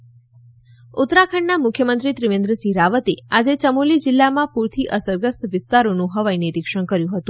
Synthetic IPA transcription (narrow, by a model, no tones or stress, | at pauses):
ut̪ɾakʰəɳnamʊkʰjəmənt̪ɾit̪ɾiʋẽnd̪ɾəsiɾaʋət̪ead͡ʒet͡ʃəmulid͡ʒɪlːamãpuɾt̪ʰiʔəsəɾɡəst̪ʋɪst̪aɾonũɦəʋajniɾikʂəɳkəɾjũɦət̪ũ